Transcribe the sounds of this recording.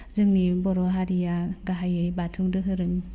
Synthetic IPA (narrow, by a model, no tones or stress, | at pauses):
zɯŋnibɔɾɔɦaɾijaɡaɦajɯjbatʰuŋdɯɦɯɾɯŋ